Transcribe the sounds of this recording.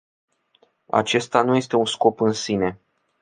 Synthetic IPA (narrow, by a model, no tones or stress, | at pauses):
a̰t͡ʃe̞st̪anuje̞st̪e̞unsko̞pɨnsine̞